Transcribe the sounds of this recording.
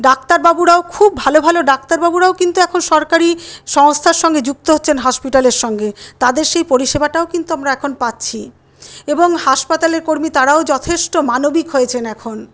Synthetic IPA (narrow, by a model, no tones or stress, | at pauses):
ɖak̚t̪aɾbabuɾaokʰubːʱalobʱaloɖak̚t̪aɾbabuɾaokint̪uɛkʰonʃɔɾkaɾiʃɔŋst̪ʰaɾʃɔŋɡed͡ʑuk̚t̪oɦotːɕʰenɦɔʃpiʈaleɾʃɔŋɡet̪ad̪eɾʃejpoɾiʃebaʈaokint̪uamɾaɛkʰonpatːɕʰi | eboŋhaʃpat̪aleɾkoɾmit̪aɾaod͡ʑɔt̪ʰeʃʈomanobikɦojet͡ɕʰenɛkʰon